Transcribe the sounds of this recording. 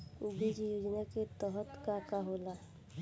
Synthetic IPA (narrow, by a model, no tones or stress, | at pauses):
uɡid͡ʒijuːd͡ʒnaket̪ɔɦət̪kakaɦoːla